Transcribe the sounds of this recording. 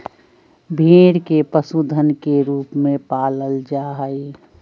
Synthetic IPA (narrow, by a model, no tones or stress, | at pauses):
bʱeːɾkepəsuːd̪ʱənkeɾuːpmẽpaːləld͡ʒaɦəi